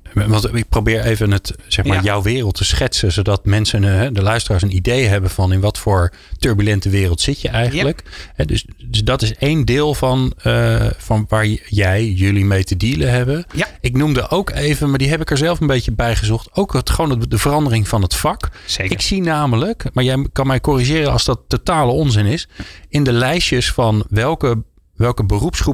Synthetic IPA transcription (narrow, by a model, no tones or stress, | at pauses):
ʋɑntɪk̚prowbɪːɹejvənətz̥ɛχmaːɹjɔwʋɪːrəlˠtʰəsχɛtsəzowdɑtmɛnsənɦɛdəlœɥstəraːɹs̬ənidejɦɛbənv̥ɑnɪnʋɑtfʊːɹ | tøɹbylɛntəʋɪːrəlˠtsɪtjəʔɛjχənləkɦɛdɵssdɑtɪsejndɪːlˠvɑnəvɑnʋaːɹjɛjjɵlimejtədiːləɦɛbənɪknumdəʔowkejvənmaːɹdiɦɛpɪkəɹzɛlˠfənbejtəbɛjχəzɔχtowktχəowndəvərɑndərɪŋv̥ɑnɦətfɑkɪksinaːmələkmaːɹjɛjkɑnmɛjkɔriʒɪːrəɑlˠzdɑtːowtaːləɔnzɪnɪsɪndəlɛjʃəsfɑnʋɛlˠkə | ʋɛlˠkəbərupsχru